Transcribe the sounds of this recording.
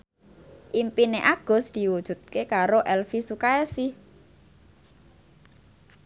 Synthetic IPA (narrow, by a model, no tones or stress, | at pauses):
ʔimpineʔaɡ̥ʊ̤sd̪̥i̤wud̥ʒ̥ṳt̪̚kekaɾoʔɛlfisukaɛsih